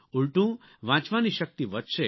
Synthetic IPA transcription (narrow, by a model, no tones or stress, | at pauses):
uɭʈũ | ʋãt͡ʃʋaniʃək̚t̪iʋət̪ʃe